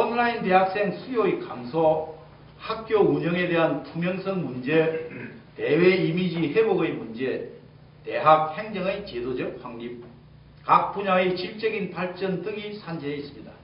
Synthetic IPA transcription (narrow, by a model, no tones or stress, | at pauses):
ʌnlainde̞ɦak̚s͈e̞ŋsʰujoejkamsʰo | hak̚k͈jouɲʌŋe̞de̞ɦantʰumjʌŋsʰʌŋmund͡ʑe̞te̞weimid͡ʑiheboɡɯjmund͡ʑe̞ | te̞ɦak̚he̞ŋd͡ʑʌŋɯjt͡ɕedod͡ʑʌk̚ɸwaŋɲip̚ | kak̚p͈uɲaet͡ɕiɭt͡ɕ͈ʌɡinpaɭt͡ɕ͈ʌndɯŋisʰand͡ʑeeis͈ɯ̥mɲida